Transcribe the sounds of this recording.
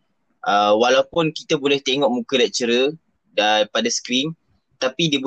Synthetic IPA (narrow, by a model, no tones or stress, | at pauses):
ʔəwalawpʊnkit̪abolɛht̪eŋɔʔmũkəlaʔ̚t͡ʃəɾə | daipadasə̥kɾin | t̪apidiəb